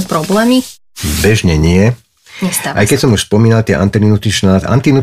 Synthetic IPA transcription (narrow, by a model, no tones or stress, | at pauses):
pɾɔblɛːmi | bɛʒɲɛɲɪɪɛ | ɲɛst̪aa̰jkɛcsɔmuʃspɔmiːnalt̪ɪɛʔa̰nt̪ɛninut̪it͡ʃnaza̰nt̪inu